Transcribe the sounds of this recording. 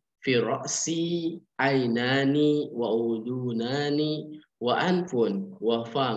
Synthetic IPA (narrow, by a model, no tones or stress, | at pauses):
fiːɾˤɑʔsiʕajnaːniwaʔud̪uːnaːni | waʔanfʊnwafaː